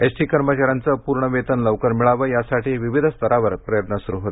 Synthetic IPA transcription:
esʈiːkəɾmət͡ɕaɾjant͡səpuɾɳəʋet̪ənləʋkəɾmiɭaʋəːjasaʈiːʋiʋid̪ʱst̪əɾaʋəɾpɾəjət̪nəsuɾuɦot̪

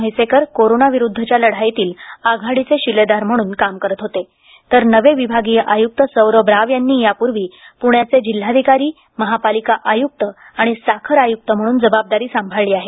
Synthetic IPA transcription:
əjsekəɾkoɾonaʋiɾud̪ʱːət͡ɕjaləɽ̤ajt̪iːlaɡʱaɽit͡seɕiled̪aɾm̤əɽ̃uːnkamkəɾət̪ɦot̪e | t̪əɾnəʋeʋibʱaɡijəʔajuk̚t̪əsəwɾəbɾaʋjanːiːjapuɾʋiːpuɳjat͡sed͡ʑil̤ːad̪ʱikaɾiː | məɦapalikaʔajuk̚t̪əaɽ̃isakʰəɾajuk̚t̪əm̤əɽ̃uːnd͡zəbab̚d̪aɾiːsambʱaɭliːaɦe

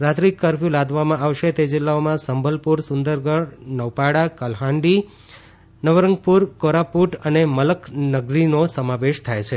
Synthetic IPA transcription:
ɾat̪ɾikːəɾfjũlad̪ʱʋamãʔaʋʃet̪ed͡ʒɪlːaomãsəmbʱəlpuɾsʊnd̪əɾɡəɽnəʋpaɽakəlɦãɳɖi | nəʋəɾəŋɡ̚puɾkoɾapuʈənemələknəɡɾinosəmaʋeʃt̪ʰajt͡ʃʰe

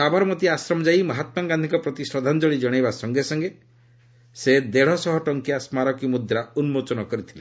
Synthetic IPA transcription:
abaɾɔmɔt̪iasɾɔmɔd͡ʒajmɔɦat̪mɔɡand̪ʱikɔpɾɔt̪isɾɔd̪ʱand͡ʒɔɭid͡ʒɔɽ̃ajbasɔŋɡesɔŋɡe | sed̪eɽ̤ɔsɔɦɔʈɔŋkiasmaɾɔkimud̪ʱjɔɾaunmot͡ʃɔnɔkɔɾit̪ʰile

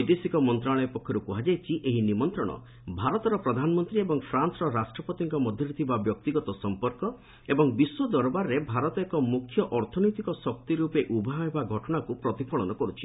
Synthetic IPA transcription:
ɔjd̪esikɔmɔnt̪ɾaɭɔepɔkʰːɔɾupuɦad͡ʒajt͡ʃʰiʔeɦinimɔnt̪ɾɔɽ̃ɔ̰ | bʱaɾɔt̪ɔɾɔpɾɔd̪ʱanɔmɔnt̪ɾiebɔŋpʰɾansɔɾɔɾasʈɾɔpɔt̪iŋkɔmɔd̪ʱjɔɾit̪ʰibabjɔk̚t̪iɡɔt̪ɔsɔmpɔɾkɔ | ebɔŋbiswɔd̪ɔɾbaɾːebʱaɾɔt̪ɔekɔmukʰːjɔʔɔɾt̪ʰɔnɔjt̪ikɔsɔk̚t̪iɾupeʔubʱaɦɦebaɡʱɔʈɔɽ̃akupɾɔt̪ipʰɔɭɔnɔkɔɾut͡ʃʰi̥

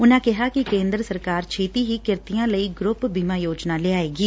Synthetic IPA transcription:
ʊnãːkɪɦaːkɪkẽːnd̪ɾəsəɾkaːɾt͡ʃʰeːt̪iːɦiːkɪɾt̪ɪjãːləiːɡɾʊpbiːmãːjoːd͡ʒnãːleːaːeːɡiː

